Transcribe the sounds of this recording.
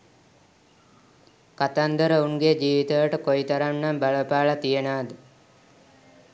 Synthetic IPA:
kat̪and̪əɾəuŋɡed͡ʒiːʋit̪əʋəʈəkoit̪aɾanːambaɭəpaːlat̪ijenaːd̪ə

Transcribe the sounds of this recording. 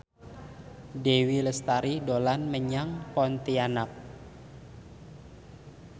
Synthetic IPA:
dewiləst̪aɾidolanməɲaŋpɔnt̪ianap̚

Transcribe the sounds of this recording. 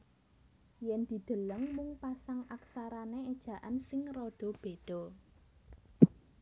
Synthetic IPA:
jɛnd̪̥i̤d̪̥ə̤ləŋmuŋpasaŋaksaɾaneed̥ʒ̥ä̤ʔansɪŋrɔɖ̪̥ɔ̤b̥e̤d̪̥ɔ̤

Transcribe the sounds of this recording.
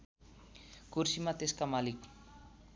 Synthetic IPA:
kursimat̪eskamalik̚

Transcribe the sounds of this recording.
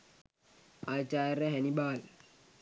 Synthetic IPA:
at͡ʃaɛɾɛɦɛnibal

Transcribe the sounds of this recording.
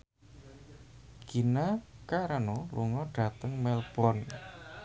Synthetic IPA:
ɡ̥inakaɾanɔlṵŋɔɖ̥a̤t̪əŋmɛlb̥ɔn

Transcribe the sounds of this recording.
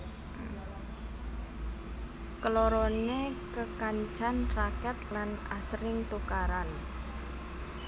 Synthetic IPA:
kəloɾonekəkaɲt͡ʃanrakɛt̪lana̰sɾɪŋt̪ukaɾan

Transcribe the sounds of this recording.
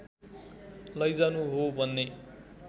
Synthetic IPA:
lʌjd͡zanuɦobʱʌnːe

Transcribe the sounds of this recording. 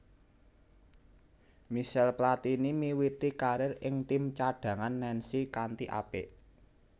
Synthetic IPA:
miʃɛlplat̪inimiwit̪ikaɾɪrʔɪŋt̪imt͡ʃaɖ̥ä̤ŋanːɛnsikant̪iʔa̰pḛʔ

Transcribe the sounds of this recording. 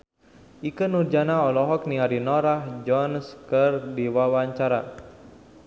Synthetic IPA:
ʔikənurd͡ʒanaɔlɔɦɔkniaɾinɔɾahd͡ʒɔnskərdiwawaɲt͡ʃaɾa

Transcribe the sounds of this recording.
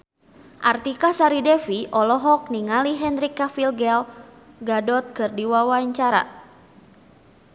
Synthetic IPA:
ʔart̪ikasaɾidɛfiʔɔlɔɦɔk̚niŋaliɦɛndɾikːafilɡɛl | ɡadɔt̪̚kɨrdiwawaɲt͡ʃaɾa̰

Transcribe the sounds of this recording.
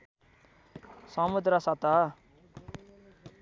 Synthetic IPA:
sʌmud̪ɾʌsʌt̪ʌ

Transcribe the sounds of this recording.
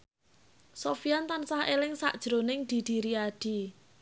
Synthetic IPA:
sofiant̪ansahʔelɪŋsa̰ʔd̥ʒ̥ɾonɪŋd̪̥i̤d̪̥i̤ɾiaɖ̥i̤

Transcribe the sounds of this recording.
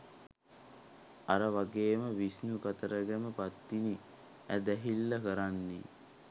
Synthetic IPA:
aɾəʋaɡeːməʋisnukat̪əɾəɡæməpat̪ːini | æd̪æɦilːəkəɾanːi

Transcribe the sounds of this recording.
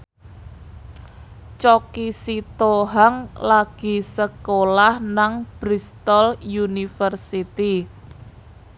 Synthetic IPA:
t͡ʃɔkisit̪oɦaŋlaɡ̥i̤səkolahnaŋb̥ɾist̪ɔljunifərsit̪i

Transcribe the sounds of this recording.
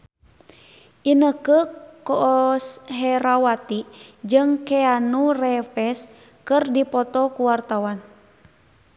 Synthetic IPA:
ʔinəkəkɔsɦɛɾawat̪id͡ʒɨŋkɛanurɛfɛs | kɨrdipɔt̪ɔkuwart̪awan

